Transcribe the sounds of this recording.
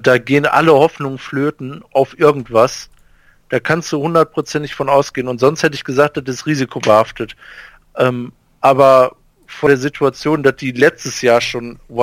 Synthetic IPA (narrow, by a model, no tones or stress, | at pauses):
d̥aːɡeːənʔa̰ləhɔfnʊŋəfløːtn̩ʔaʊfʔɪɐɡŋ̩tv̥as | d̥aːkʰanstd̥uːhʊndɐt̚pʁ̥ot͡sɛntɪçfɔnaʊsɡ̥eːənʊntz̥ɔnsthɛtəɪçɡ̥əzaːkt̚d̥adɪsʁiːzikʰobəhaftət | ʔɛːm | ʔaːbɐ | fɔdeːɐzitʰuat͡sjoːndasd̥iːlɛt͡stəsjaːɐʃoːnv